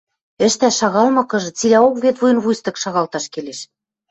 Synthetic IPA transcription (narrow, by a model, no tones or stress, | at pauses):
ɘ̆ʃt̪æʃɑɣɑlmɤ̆kɤ̆ʒɤ̆t͡silæokβet̪vujɤ̆nβujst̪ɤ̆kʃɑɣɑlt̪ɑʃkeleʃ